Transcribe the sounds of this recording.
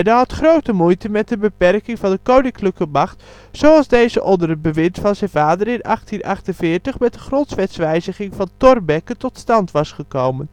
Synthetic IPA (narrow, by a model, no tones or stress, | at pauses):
daɦɑtχrowtəmujtəmɛt̚dəbəpɛrkɪŋvɑndəkownɪŋkləkəmɑχt | sowɑlˠzdejzəʔɔndərəbəʋɪntfɑnzɛjnvaːdərɪnɑ̰χtinʔɑχtənvɪːɹtəχmɛt̚dəχrɔntsʋɛtsʋɛjzəχɪŋvɑntɔrbɛkətɔtstɑntʋɑsχəkowmən